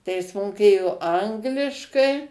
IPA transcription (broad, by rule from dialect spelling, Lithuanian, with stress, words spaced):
tɐɪ ˈjɪs moːˈkʲeːjoː ˈɐŋɡlʲɪʃkɐɪ